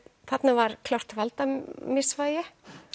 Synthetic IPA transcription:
θat̪navaɾkʰlawr̥t̪valt̪amɪsvaːjɪ

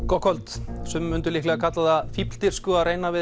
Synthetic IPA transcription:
kɔhkʰɔlt̪sɛmːʏnt̪ʏlihklɛɣakʰat̪laðafipl̥t̪ɪɾ̥skʏareːjnavɪ

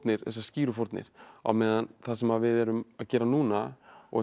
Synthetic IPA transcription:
t̪nɪɾ̥θɛs̬ːasciːɾʏfɔɾt̪nɪ̰ɾ̥a̰wmɛːðanθasɛmaðvɪðɛɾʏmaðcɛːɾanuːnaɔ̰ɣ

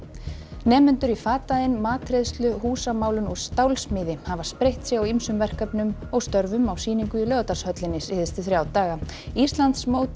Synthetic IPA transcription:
nɛːmʏnt̪ʏɾifaːt̪aðɪnmaːt̪ʰɾeðst̪lʏɦuːsamaːwlʏnɔɣst̪awlsmɪːðɪhavaspɾejht̪sjɛɣawimsʏmvɛr̥kœpnʏmɔɣst̪œɾvʏmawsiːniŋkʏilœːɣt̪ḁshœt̪lɪnːɪsɪθɪst̪ʏθɾjawt̪aːɣa | ist̪lant̪smowt̪

